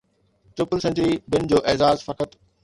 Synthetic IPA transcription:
t͡ɕʊpəlsẽɳʈɾibɪnd͡ʑoːʔeːzaːzfɐkət̪

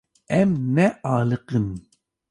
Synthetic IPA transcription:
ɛmːɛʔɑːlɨqɨn

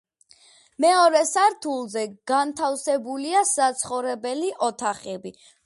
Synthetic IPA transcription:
mɛɔɾɛsaɾt̪ʰulˠzɛɡ̥ant̪ʰafsɛbuliasat̪sʰχɔvɾɛbɛliʔɔt̪ʰaχɛbi

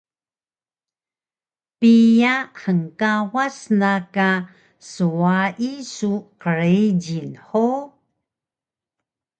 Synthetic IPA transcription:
pijaħəŋkawasnaka | suaʔisuqəɾeɟinħo

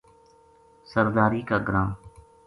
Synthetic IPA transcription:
səɾd̪aːɾiːkaːɡɾãː

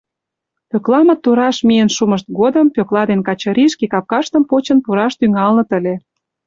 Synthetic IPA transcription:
pøklɑmə̆t̪ːuɾɑʃmijənʃuməʃt̪̚ɡod̪ə̆mpøklɑd̪enkɑt͡ɕɤ̆ɾiʃkekɑp̚kɑʃt̪əmpot͡ɕə̆npuɾɑʃt̪yŋɑlnə̆t̪ə̆lʲe

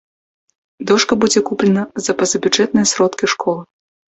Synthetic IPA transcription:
d̪ɔʂkɐbud͡zʲɛkuplʲɛnɐzɐpɐzɐbʲud͡ʐʐɛt̪̚nɨjɐsɾɔt̪kʲiʂkʰɔlˠɨ

